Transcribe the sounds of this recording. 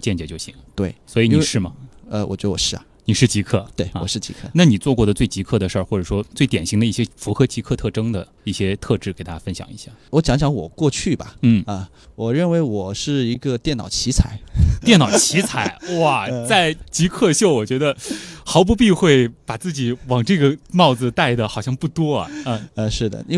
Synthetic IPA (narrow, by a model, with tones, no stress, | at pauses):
t͡ɕjɛ˥˩nt͡ɕjɛ˧˥˩t͡ɕjo˥˩ʊɕḭ˧˥ŋt̪we˥˩ɪswɔ˧˥i˧˥ni˩ʂɻ̩˥˩mɐ˩ə˧wɔ̰˨˩t͡ɕɥɛ˧˥d̪ə˧wɔ̰˨˩ʂɻ̩˥˩ɐ̰˩ni˨˩ʂɻ̩˥˩t͡ɕi˧˥kʰɤ˥˩t̪we˥˩ɪwɔ̰˨˩ʂɻ̩˥˩t͡ɕḭ˧˥kʰɤ˥˩na˥˩ni˨˩t͡swɔ˥˧kwɔ˥˩d̪ə˩t͡swe˥˩ɪt͡ɕi˧˥kʰɤ˥˩d̪ə˩ʂə˞˥˧xwɔ˥˩ʈ͡ʂɤ˨˩ʂwɔ˥t͡swe˥˩ɪt̪jɛ˨˩nɕi˧˥ŋd̪ə˧i˥˩ɕjɛ˥fu˧˥xɤ˧˥t͡ɕi˧˥kʰɤ˥˧t̪ʰɤ˥˧ʈ͡ʂɤ˥ŋd̪ə˨ | i˥˩ɕjɛ˥t̪ʰɤ˥˧ʈ͡ʂɻ̩˥˩ke˨˩ɪt̪a˥˩ja˥fə˥nɕjɑ̰˨˩ŋi˧˥ɕja̰˥˩wɔ˧˥t͡ɕjɑ˧˥ŋɕ̬jɑ˧˥ŋwɔ̰˨˩kwɔ˥˧t͡ɕʰy˥˩bɐ̰˩n̩˥˩ɐ˧˩ | wɔ˨˩ɻə˥˩nwe˧˥ɪwɔ˨˩ʂɻ̩˥˩i˧˥ɡə˧t̪jɛ˥˩nɑ˨˩ʊt͡ɕʰi˧˥t͡sʰa˨˩˦ɪjɛ˥˩nɑ˨˩ʊt͡ɕʰi˧˥t͡sʰa˧˥ɪwa˥˩t͡sa˥˩ɪt͡ɕi˧˥kʰɤ˥˧ɕjo˥˩ʊwɔ˨˩t͡ɕɥɛ˧˥d̪ə˧xɑ˧˥ʊp̬u˧˥pi˥˧xwe˥˩ɪpa˨˩t͡sɹ̩˥˩t͡ɕi˨˩˦wɑ˨˩ŋʈ͡ʂɤ˥˩ɡə˩mɑ˥˩ʊd͡zɹ̩˨˩t̪a˥˩ɪd̪ə˩xɑ˨˩ʊɕjɑ˥˧ŋpu˥˩t̪wɔ˥ɐ̰˨˩˥ə˧ʂɻ̩˥˩d̪ə̰˩i˥˧